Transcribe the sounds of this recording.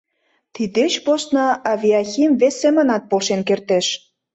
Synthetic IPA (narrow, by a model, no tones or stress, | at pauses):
t̪id̪et͡ɕpost̪nɑɑvʲiɑxʲimvesːemə̆nɑt̪̚polʃenkert̪eʃ